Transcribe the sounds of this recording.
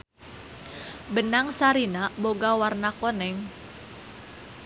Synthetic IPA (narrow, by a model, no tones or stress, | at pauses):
bənaŋsaɾinaboɡawarnakonɛŋ